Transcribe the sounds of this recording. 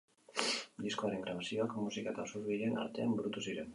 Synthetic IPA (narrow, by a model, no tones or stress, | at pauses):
d̪isko̞aɾe̞ŋɡɾaβasio̞akmusikaet̪asuɾβile̞na̰ɾt̪e̞ambɾut̪usiɾe̞n